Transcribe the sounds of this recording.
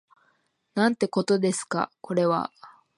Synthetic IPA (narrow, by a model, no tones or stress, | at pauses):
nãnt̪e̞ko̞t̪o̞d̪e̞sɨ̥ka̰ko̞ɾe̞βa̰